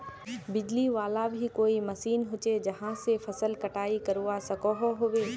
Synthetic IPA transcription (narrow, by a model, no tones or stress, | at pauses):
bɪd͡ʒliʋaːlabʱikoːimɐsiːnɦʊt͡ʃed͡ʒɐɦãsefʰɐsəlkɐʈaːikɐɾuːasɐkɔɦɔɦoːʋeː